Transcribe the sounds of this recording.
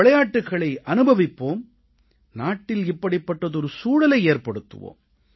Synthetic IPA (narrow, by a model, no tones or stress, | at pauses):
ɐɭɐjaːʈːɯɣɐɭɐɪʔɐnɯbʱɐʋɪpːoːm | naːʈːɪlɪpːɐɽɪpːɐʈːɐðɔɾɯsuːɽɐlɐɪeːrpɐɽɯt̪ːɯ̰ʋo̰ːm